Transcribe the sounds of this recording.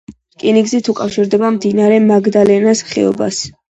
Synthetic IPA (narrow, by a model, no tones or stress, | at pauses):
kʼiniɡzit̪ʰukʼafʃiɾd̪ɛbamd̪inaɾɛmaɡd̪alɛnasχɛ̰ɔ̰ba̰s